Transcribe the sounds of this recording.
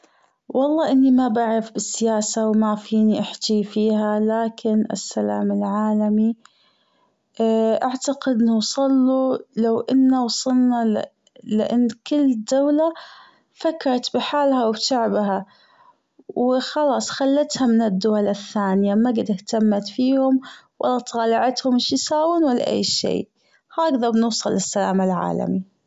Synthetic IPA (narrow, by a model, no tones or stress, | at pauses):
wʔɑlˤːɑːʔɪnːimabaʕɾɪfbɪsːɪjaːsawmafiːniʔaħt̪ifiːhalaːkɪnʔɪ̰sːala̰ːmɪlʕaːlami | ʔaʕt̪aqɪd̪ɪnːʊwsˤɑlːulawʔɪnːawɑsˤɑlna | lɪʔanːkɪlːd̪awla | fakːɑɾˤɑt̪bɪħaːlhawɪbt̪aʕbɦa | wxɑlɑːsˤxalːat̪hamɪnɪd̪ːʊwalaθːaːnɪjamaɡɪd̪ɪht̪amːat̪fiːhʊmwʔa̰lːɑt̪ˤɑːlɪʕat̪hʊmɪʃjɪsaːwɪnwalːa̰ʔḛːʃḛːʔ | haːɡðɑbnʊːsˤɑlːɪsːalaːmalʕa̰ːla̰mi